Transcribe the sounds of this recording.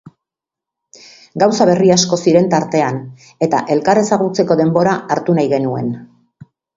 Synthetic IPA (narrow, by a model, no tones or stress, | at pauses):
ɡawsaβ̞e̞riasko̞siɾe̞nt̪aɾt̪e̞an | e̞t̪a̰ʔe̞lkare̞saɣ̞ut͡se̞ko̞ðe̞mbo̞ɾaːɾt̪unajɣe̞nue̞n